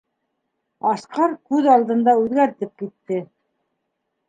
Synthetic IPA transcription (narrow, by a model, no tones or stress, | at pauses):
ɑsqɑɾkʉðɑlˠd̪ɤ̆nd̪ɑʉðɡæɾt̪ɘp̚kit̪ːɘ